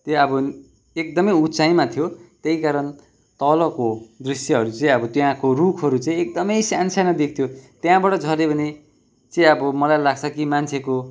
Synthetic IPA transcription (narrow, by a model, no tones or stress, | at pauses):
t̪eʌbʌ | ek̚d̪ʌmʌjut͡saĩmat̪ʰjot̪eikaɾʌn | t̪ʌlʌkod̪risjʌɦʌɾut͡saĩʌbʌt̪jãkorukʰʌɾut͡saĩek̚d̪ʌmʌjsansʰanʌd̪ek̚ʰt̪ʰjot̪jãbʌʈʌd͡zʱʌlebʱʌne | t͡saĩʌbʌmʌlajlaɡt͡sʰʌkimant͡sʰeko